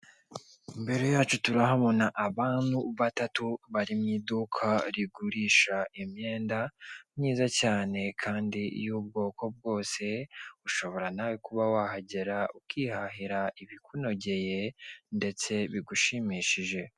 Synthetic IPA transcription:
imbe̞ɾojaːt͡ʃutuɾaɦaβo̞naʔaβaːn̥huβatatuβaɾimɲidukʰaɾiɡuɾiːʃaʔimɲe̞ːndamɲiːzacaːne̞kʰaːndijuːb̚ɡo̞ːko̞b̚ɡo̞ːse̞uʃo̞βo̞ɾanawikuβawahaɟe̞ɾaukihaɦiɾaiβikuno̞ɟe̞je̞nde̞t͡se̞βiɡuʃimiːʃiʒe̞

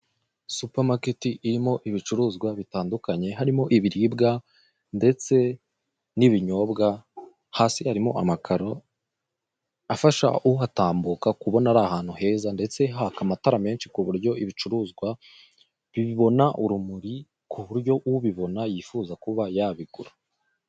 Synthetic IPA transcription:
supaɾmaketiʔiɾimo̞ʔiβit͡ʃuɾuːzɡwaβitaːndukaɲe̞ɦaɾimo̞ʔiβiɾibɡa | nde̞t͡se̞ | niβiɲo̞ːbɡa | haːsihaɾimo̞̰amakʰaɾo | afaʃa̰uataːmbukakuβo̞naɾahaːn̥huhe̞ːzande̞t͡se̞ɦakamataɾame̞ːnʃi̥kuβuɾɟo̞iβit͡ʃuɾuːzɡwa | βiβiβo̞naʔuɾumuɾi | kuβuɾɟo̞ʔuuβiβo̞najiːfuːzakuβajaβiɡuɾu

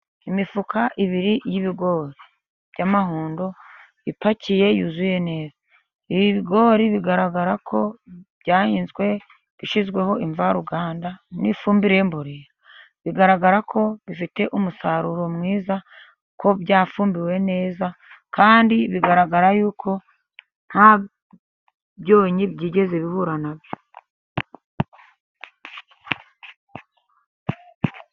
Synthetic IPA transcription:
imifukaʔiβiɾijiβiɡo̞ːɾi | β̥jamahuːndo̞ | ipacije̞juzuje̞ne̞ːzḁ | iβiβiɡo̞ɾiβiɡaɾaɡaɾakʰo̞b̥ɟaːhiːnzɡwe̞ | βiʃizɡwe̞ho̞ʔiɱvaɾuɡaːndanḭfuːmbiɾe̞mboɾiɾa | βiɡaɾaɡaɾakʰo̞βifite̞ʔumusaɾuɾo̞mŋiːza | ko̞bjaːfuːmbiwe̞ne̞ːza | kaːndiβiɡaɾaɡaɾajuːkʰo̞ | n̥ha | bjo̞ːɲibɟiːɟe̞ze̞βiβuɾanabjo

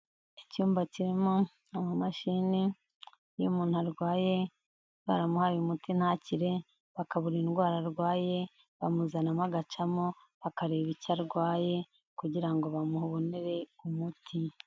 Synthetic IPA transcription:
icuːmbaciɾimo | amumaʃini | jṵmuːn̥uaɾɡwaːje̞ | βa̰ɾamuhajumutin̥haciɾe̞ | βakaβuɾiːnɡwaːɾaɾɡwaːje̞ | βamuzanamaɡat͡ʃamo | βakaɾe̞ːβicaɾɡwaːje̞ | kuɟiɾaŋɡo̞βamuhuβo̞neɾe̞umutʰi

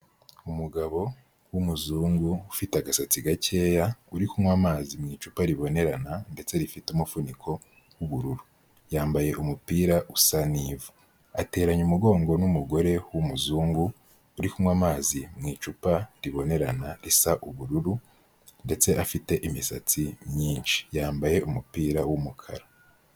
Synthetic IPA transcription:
umuɡaβo̞ | wumuzuːŋɡuːfiteaɡasat͡siɡace̞ːjauɾikumwamaːzimŋiːt͡ʃupaɾiβo̞ne̞ɾanande̞t͡se̞ɾifitumufunikʰo̞ | wuβuɾuɾu | jaːmbaje̞ʔumupiːɾaʔusaniːvu | ate̞ːɾaɲumuɡo̞ːŋɡo̞numuɡo̞ɾe̞wumuzuːŋɡuː | ɾikumwamaːzimŋiːt͡ʃupaɾiβo̞ne̞ɾanaɾisaʔuβuɾuɾu | nde̞t͡se̞ʔafite̞ʔimisa̰t͡simɲiːnʃi̥jaːmbaje̞ʔumupiːɾawumukʰa̰ɾa

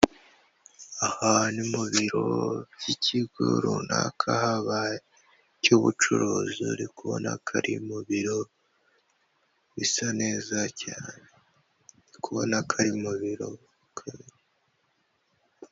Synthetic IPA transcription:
ahanimuβiɾobɟ̥icʰiɡṵɾuna̰kʰahaβaje | cuβut͡ʃuɾuːzuɾikuβo̰na̰kʰaɾimuβiɾo̞ | βisane̞ːzacaːne | nikuβonakʰaɾimuβiɾo̞ | kʰaβiɾe

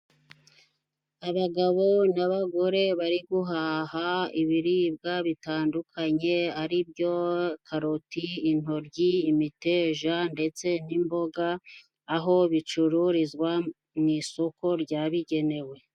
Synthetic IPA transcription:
aβaɡaβo̞naβaɡo̞ɾe̞βaɾiɡuɦaːhaiβiɾiːb̚ɡaβitaːndukʰaɲe̞aɾibɟo̞kʰaɾotiːn̥o̞ɾɟiːmite̞ːʒande̞t͡se̞nimbo̞ɡaː | ɦo̞βit͡ʃuɾuɾizɡwa | niso̞ko̞ɾɟaːβiɟe̞ne̞we̞

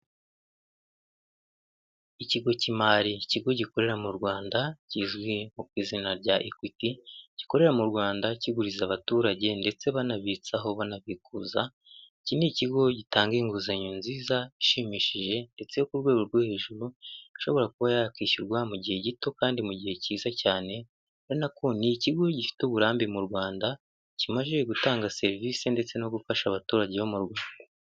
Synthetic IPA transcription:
iciɡo̞cimaɾiciɡo̞ɟiko̞ɾe̞ɾamuɾɡwaːndaciːzɡwimukwiːzinaɾɟaʔikwitiɟ̥i̥ko̞ɾe̞ɾamuɾɡwaːndaciɡuɾizaβatuːɾaɟe̞nde̞t͡se̞βanaβit͡saɦo̞βanaβikuːza | ciniciɡo̞ɟitaːŋɡiŋɡuzaɲunziːzaiʃimiːʃiʒe̞nde̞t͡se̞jokuɾɡwe̞ːɡo̞ɾɡwehe̞ːʒuɾuiʃo̞βo̞ɾakuβajakiːʃiɾɡwamuɟihe̞ɟito̞kaːndimuɟihe̞ciːzacaːne̞ | enako̞niciɡo̞ɟifi̥tuβuɾaːmbimuɾwaːnda | cimaʒe̞ɡutaːŋɡase̞ɾviːsende̞t͡se̞no̞ɡufaʃaβatuːɾaɟe̞βomuɾɡwaːda

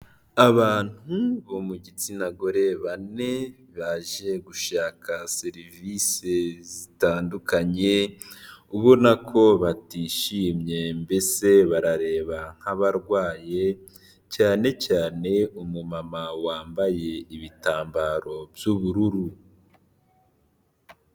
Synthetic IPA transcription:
aβaːn̥huβomuɟit͡sinaɡo̞ɾe̞βane̞ | βaːʒe̞ɡuʃaːkʰaseɾivisezitaːndukaɲe̞ | uβonakʰo̞βatiːʃiːmɲe̞mbe̞se̞βaɾaɾe̞ːβaŋ̥haβaɾɡwaːje | caːne̞caːne̞umumamawaːmbaje̞iβitaːmbaɾo̞bjuβuɾuɾu

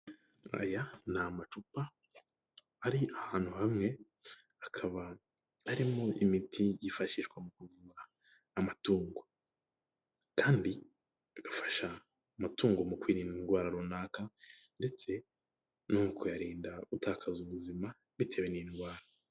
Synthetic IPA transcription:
a̰janamat͡ʃupa | aɾiahaːn̥huhamŋe̞ | akʰaβa | aɾimoʔimitʰijifaʃiʃɡwamukuvuɾaː | matuːŋɡo | kaːndi | aɡ̥afḁʃa | matuːŋɡomukwiːɾinnɡwaːɾaɾunaːka | nde̞t͡se̞ | nukʰo̞jaɾiːndautaːkʰazuβuzima | βitʰe̞weninɡwaːɾa

